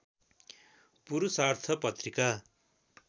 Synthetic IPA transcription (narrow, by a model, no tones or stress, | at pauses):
puɾusart̪ʰʌpʌt̪rika